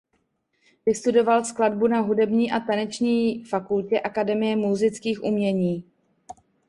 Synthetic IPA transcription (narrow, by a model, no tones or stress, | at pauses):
vɪst̪udo̞valskladbunaɦudɛbɲiːʔat̪anɛt͡ʃɲiːfakulcɛʔakadɛmɪjɛmuzɪt͡skiːxʔumɲɛɲiː